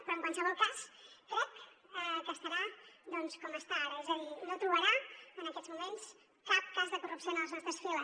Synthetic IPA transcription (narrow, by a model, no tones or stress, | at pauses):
pɾɔəŋkwansəβɔlˠkasp̪ɔk̪əpəst̪əɾad̪ɔnskɔməst̪aɾəzennot̪ɾuβəɾaənəkɛzmumens | kak̪̚kazðəkurupsionələznɔst̪ɾəsfiləs